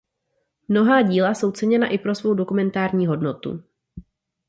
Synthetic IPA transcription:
mno̞ɦaːɟiːlaso̞wt͡sɛɲɛnaʔɪpɾo̞svo̞wdokumɛnt̪aːɾɲiːɦo̞dno̞t̪ṵ

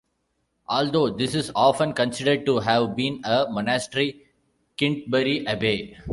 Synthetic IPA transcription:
ʔɔːld̪oːd̪ɪsɪzɔːfə̃nkə̃nsɪɖəɖ̚ʈuɦæʋbĩːnəmɔnæsʈɾi | kɪ̃ɳʈ̚bɛɾiʔɐbeː

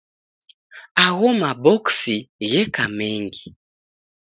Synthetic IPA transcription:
aɣɔmabɔksiɣɛkamɛŋɡi

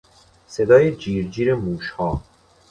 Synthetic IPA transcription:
se̞d̪ɒːjed͡ʒiːɾd͡ʒiːɾemuːʃhɒː

